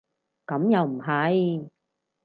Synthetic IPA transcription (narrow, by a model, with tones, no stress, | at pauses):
kɐ˨˥mjɐ˨wm̩˨˩ɦɐ˨˥j